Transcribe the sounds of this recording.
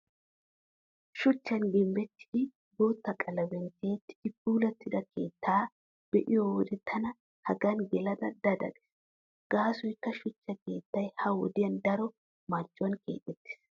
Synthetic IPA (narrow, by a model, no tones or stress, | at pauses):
ʃʊt͡ʃːɐnɡɪmbɛt̪ːɪ̥d̪ɪ | ɡoːt̪ːɐkʼɐlɐbɛnt̪ːɪet̪ːɪ̥d̪ɪpuːlɐt̪ːɪd̪ɐkʰe̞ːt̪ːaː | b̥ɛʔɪjɔwɔd̪ɛt̪ʰːɐnɐ | hɐɡɐnɡɛlɐd̪ɐd̪ɐd̪ɐ̰dɛ̥s | ɡ̥aːsɔjkːɐʃʊt͡ʃːɐke̞ːt̪ːɐjhɐwɔd̪ɪjɐnd̪ɐɾɔ | mɐɾt͡ʃʼːɔwɐnke̞̰ːt̪ʼːɛt̪ːɪ̥s